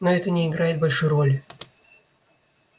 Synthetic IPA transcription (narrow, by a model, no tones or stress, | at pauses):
noɛt̪ənʲɪɪɡɾajɪt̪̚bɐlʲʂujrolʲ